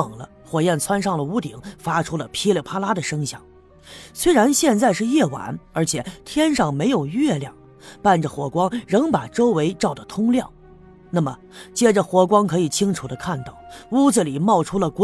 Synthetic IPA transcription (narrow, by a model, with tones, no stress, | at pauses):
ŋlə̰˦ | xwɔ˨˩jɛ˥˩nt͡sʰwa˥nʂɑ˥˩ŋd̪ə˩u˥t̪ḭ˨˩˦ŋfa˥ʈ͡ʂʰu˥lə˨pʰi˥lə˨˩pʰa˥la˥d̪ə˨ʂɤ˥ŋɕjɑ̰˥˩˦ŋ | swe˥ɪɻa˧˥nɕjɛ˥˧nt͡sa˥˧ɪʂɻ̩˥˧jɛ˥˩wa̰˧˥nə˞˧˥t͡ɕʰjɛ˨˩t̪ʰjɛ˥nʂɑ˥˩ŋme˧˥ɪjo˨˩ʊɥɛ˥˧ljɑ˥˩ŋ | pa˥˩nʈ͡ʂə˩xwɔ˨˩kwɑ˥ŋɻɤ˧˥ŋpa˨˩ʈ͡ʂo˥ʊwe˧˥ɪʈ͡ʂɑ˥˩ʊd̪ə˩t̪ʰʊ˥ŋljɑ˥˩ŋ | na˥˩mə̰˩ | t͡ɕjɛ˥ʈ͡ʂə˨xwɔ˧˥kwɑ˥ŋkʰɤ˧˥i˨˩t͡ɕʰi˥ŋʈ͡ʂʰu˨˩d̪ə˦kʰa˥˧nt̪ɑ˥˩ʊu˥d͡z̩˨˩li˨˩mɑ˥˩ʊʈ͡ʂʰu˥lə˨kwɔ˧˥